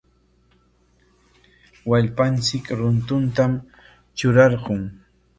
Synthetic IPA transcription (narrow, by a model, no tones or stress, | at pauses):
waʎpant͡sɪkɾʊnt̪ʊnt̪am | t͡ʃʊɾɑɾɢʊŋ